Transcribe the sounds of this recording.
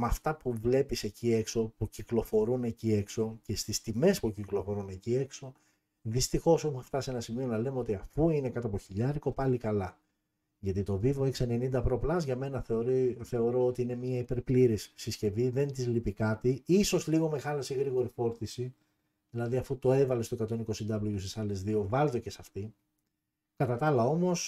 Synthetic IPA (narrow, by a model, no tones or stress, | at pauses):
mɐft̪ɐpuvle̞pise̞cie̞kso̞puciklo̞fo̞ɾune̞cie̞kso̞ce̞st̪ist̪ime̞spuciklo̞foɾune̞cie̞kso̞ | ðist̪ixo̞soxuft̪ɐsienɐsimio̞nɐle̞meo̞t̪iɐfuine̞kɐt̪oɐpoçiʎɐɾiko̞pɐlikɐlɐ | ʝɐt̪it̪o̞vivoeksene̞nind̪ɐpɾo̞plɐzʝɐme̞nɐθe̞oɾiθe̞o̞ɾo̞ot̪iine̞mɲiɐipe̞ɾpliɾissisce̞viðe̞nt̪izlipikɐt̪iiso̞zliɣo̞me̞xɐlɐseɣɾiɣo̞ɾifo̞ɾθisi | ðilɐðiɐfut̪o̞e̞vɐle̞st̪okɐt̪o̞niko̞sind̪ɐbloʝust̪isɐle̞zðio̞vɐlðoce̞sɐft̪i | kɐt̪ɐt̪ɐlɐo̞mo̞s